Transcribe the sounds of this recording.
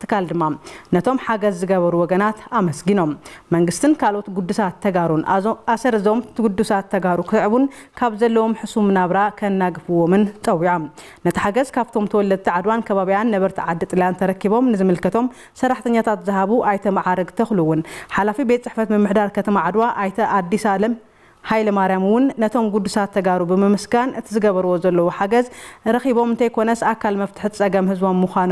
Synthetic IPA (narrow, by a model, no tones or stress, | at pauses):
t̪ʰːɨ̥kʰald̪ɨmːanɐt̪ʰo̞mħaɡɐzːɨɡɐβɐɾuwɔɡɐnat̪amɐsɡɨno̞mːɐŋɡɨst̪ʰɨnkʰalo̞t̪ɡud̪ːusat̪ʰːɐɡaɾunasɐɾɨzomt̪ʰɡud̪ːusat̪ʰːɐɡaɾukʰɨt̪ɨʕβun | kʰaβzɐlːɐwo̞mħɨsumɨnaβɾakʰɐnːaɡɨfɨwomɨnt͡sʼɐwːiʕo̞m | nɐt̪ʰiħaɡɐzkʰaβt̪ʰo̞mt̪ʰɐwɔlːɐd̪̚t̪ʰiʕad̪wankʰɐβaβijanːɐβɐɾt̪ʰiʕad̪ːɨt̪ʼɨljant̪ʰɐɾɐkːiβo̞mnɨzɨmɨlkɐt̪ʰo̞m | sɐrːaħt̪ʰɐɲːat̪ʰat̪zɨɦaβuʔajt̪ʰɐmaʕaɾɐɡt̪ʰɐxluwːʊnħalafibet̪̚ʼt͡sʼɨħfɐt̪mɨmːɨħd̪aɾkʰɐt̪ʰɐmaʕad̪waʔajt̪ʰɐʔad̪ːisalɐm | hajlɐmaɾjamwʊnːɐt̪ʰo̞mɡud̪ːusat̪ʰːɐɡaɾubɨmɨmɨsɡanʔɨt̪ʰizɨɡɐβɐɾwo̞zɐlːɐwoħaɡɐzɾɐxiβo̞mɨnt̪ɐjkʰo̞nɐsakʰːalmɐft̪ʰɨ̥ħɨt͡sʼɐɡɐmhɨzbo̞mːuxano